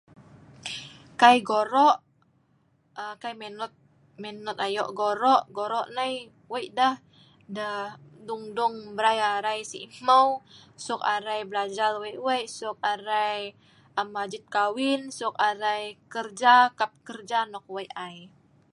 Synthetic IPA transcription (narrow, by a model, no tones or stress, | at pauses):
kajɡoɾɔʔ | əkajmɛnɔt̪̚ | mɛnɔt̪̚ajɔ̰ʔɡoɾɔʔɡoɾɔʔnaj | wəjʔdah | dəhduŋduŋbəɾajaɾajsiməwsʊkaɾajbəlad͡ʒalwajʔwajʔsʊk̚aɾaj | əmːad͡ʒɪt̪̚kawɪnsʊk̚aɾajkərd͡ʒakap̚kərd͡ʒanɔk̚wajʔaj